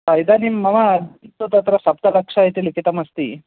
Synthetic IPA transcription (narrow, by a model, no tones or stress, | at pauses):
ɐjd̪animːɐʋɐːd̪ʱt̪ːut̪ɐt̪ɾɐsɐp̚t̪ɐlɐkʂaɦit̪ilikit̪ɐmɐst̪i